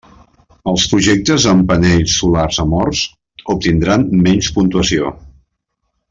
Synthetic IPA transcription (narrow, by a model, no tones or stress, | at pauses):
əlˠspɾuʒek̚t̪əzəmpəneʎsːularzəmɔrs | up̚t̪ind̪ɾanmɛɲspunt̪uəsio